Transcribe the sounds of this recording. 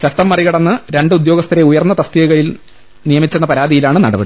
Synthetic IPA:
t͡ɕɐʈ̪ːɐmːɐriɣɐɽɐnːɨɾe̞ɳɖɨud̪jo̞ːɡɐst̪ʰɐɾeujɐrnːɐt̪ɐst̪iɣɐɣɐɭil | nijɐmit͡ɕːenːɐpɐɾaːd̪ijilaːɳɨnɐɽɐbɐ̰ɽi

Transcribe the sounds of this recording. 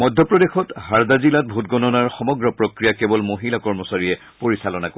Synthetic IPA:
mɔdʱjɔpɹɔdexɔtɦaɹdazilat̚bʱutɡɔnɔnaɹxɔmɔɡɹɔpɹokɹijakebɔlmoɦilakɔɹmɔsaɹijɛ | poɹisalɔnako

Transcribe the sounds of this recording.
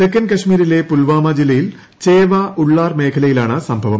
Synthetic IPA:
dekːɐnkɐʂmiːɾile̞pulʋaːmad͡ʑilːɐjil | t͡ɕeːʋaʔuɭːaːrme̞ːkʰɐlɐjilaːɳɨsɐmbʱɐʋɐm

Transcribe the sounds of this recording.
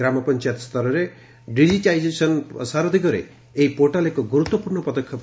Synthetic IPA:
ɾamɔpɔnt͡ʃajat̪st̪ɔɾɔɾe | ɖid͡ʒiʈajd͡ʒesɔnsaɾɔd̪ʱikɔɾḛː | ipoɾʈalekɔɡuɾut̪wɔpuɾɳɔpɔd̪ɔkʰːjɔp

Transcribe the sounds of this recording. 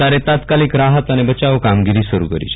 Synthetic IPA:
aɾet̪at̪kaliːkɾaɦət̪añebət͡ɕaʋəkamɡiɾiːsəɾṵkəɾḭt͡ɕ

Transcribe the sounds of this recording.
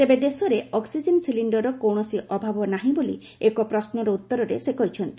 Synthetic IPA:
t̪ebed̪esɔɾeɔksid͡ʒensiliɳɖɔɾɔkɔwɳɔsiʔɔbʱabɔnaɦĩbolḭ | ekɔpɾɔsnɔɾɔut̪ːɔɾɔɾesekɔɦit͡ʃʰɔnt̪i̥

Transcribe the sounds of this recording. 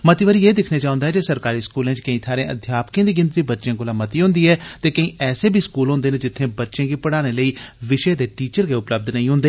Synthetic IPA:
mət̪iːʋəɾiːjeːd̪ɪkʰneːt͡ʃaːʊ̃nd̪aɦɛːd͡ʒesəɾkaːɾiːskuːlẽːt͡ʃkəĩːt̪ʰaːɾẽːʔə̰d̪ʱjaːpkẽːd̪iːɡɪ̃nd̪ɾiːbətːʃẽːkoːlaːmət̪iːɦʊ̃nd̪iːɛːt̪eːkəĩːɛːseːbʱiːskuːlɦʊ̃nd̪eːnẽːd͡ʒɪt̪ʰːẽːbətːʃẽːɡiːpəɽaːneːləiːʋɪʃeːd̪eːʈiːt͡ʃəɾkeʊpləb̚d̪nəĩːɦʊ̃ːnd̪eː

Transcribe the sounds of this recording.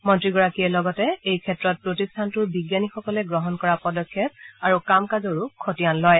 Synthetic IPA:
mɔntɹiɡɔɹakijɛlɔɡɔtɛejkʰɛtɹɔt̚pɹotistʰantʊɹbiɡjanixɔkɔlɛɡɹɔɦɔnkɔɹapɔdɔkʰːjɔp̚aɹukamkazɔɹukʰotijanlɔj

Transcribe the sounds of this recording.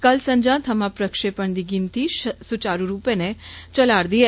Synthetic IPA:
kəlsə̃ɲd͡ʒãt̪ʰəmãpɾəkʃepəɳd̪iɡint̪iʃsut͡ʃaɾuɾupenet͡ʃəlaɾd̪ie

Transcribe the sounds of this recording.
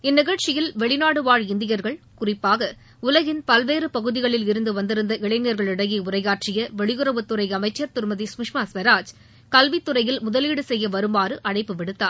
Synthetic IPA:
ɪnːɪɣɐɻt͡ʃɪjɪlʋɛɭɪnaːɽɯʋaːɻɪnd̪ɪjɐɾɣɐɭ | kʊrɪpːaːɣɐ | ʊlɐɣɪnpɐlʋeːɾɯpɐɣɯðɪɣɐɭɪlɪɾɯnd̪ɯʋɐnd̪ɪɾɯnd̪ɐʔɪɭɐɪnɪɐɾɣɐɭɪɽɐɣiʊrɐɪɣaːʈrɪjɐʋɛɭɪɣɯɾɐʋɯt̪ːɯɾɐɪɐmɐɪt͡ʃːɐɾt̪ʊɾmɐðismɪʂmasʋɐɾaːd͡ʒ | kɐlʋit̪ːɯrɐjɪlmʊðɐliːɽɯsɛjːɐʋɐɾɯmbaːɾɯʔɐɳɐɪpːɯʋɪɽɯt̪ːa̰ːɾ

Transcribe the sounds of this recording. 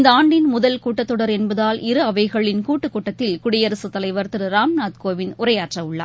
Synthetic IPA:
nd̪ɐaːɳɖɪnmʊðɐlkuːʈːɐt̪ːɔɽɐɾɛnbɐðaːlʔɪɾɯɐʋɐɪɣɐɭɪnkuːʈːɯkːuːʈːɐt̪ːɪlkʊɽɪjɐɾɐsɯt̪ːɐlɐɪʋɐɾt̪ɯɾɯɾaːmnaːt̪̚koːʋɪnʊɾɐjaːʈrɐʊɭːɐ̰ː

